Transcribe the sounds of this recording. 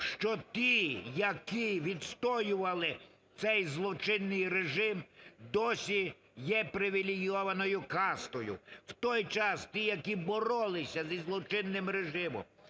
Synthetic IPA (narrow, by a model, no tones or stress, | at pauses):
ʃt͡ʃɔt̪ʲijɐkiʋʲid̪st̪ɔjʊʋɐlˠɪ | t̪sɛjzlˠɔt͡ʃɪnːɪjreʒɪmd̪ɔsʲi | jɛpɾɪʋʲilʲɪɡijɔʋɐnɔjʊkɑst̪ɔjʊ̰wt̪ɔjt͡ʃɑst̪ʲijɐkibɔɾɔlˠɪsʲɐzʲizlˠɔt͡ʃɪnːɪmɾeʒɪmɔ̰m